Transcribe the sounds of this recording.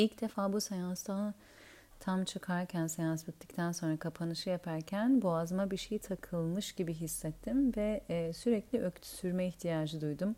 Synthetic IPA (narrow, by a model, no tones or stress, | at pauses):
ilʲcd̪e̞faːbusejanst̪ʰa | t̪ʰamt͡ʃʰɯkʰaɾcʰænsejasɛt̪ːic̚t̪ʰænso̞nɾakʰapʰanɯʃɯjapʰaɾcʰænboazmabiɾʃe̞jit̪ʰakʰɯlˠmɯʃɟibiɦisːɛt̪ʰːimvɛsyɾɛclʲiʔøct̪ʰy̥syɾmɛiçt̪ʰijaːd͡ʒɯd̪ujd̪um